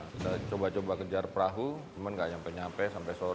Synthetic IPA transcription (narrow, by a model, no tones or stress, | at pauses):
dat͡ʃobat͡ʃobakəd͡ʒarpɾaɦut͡ʃəmanŋɡaʔɲampɛɲampɛsampɛjso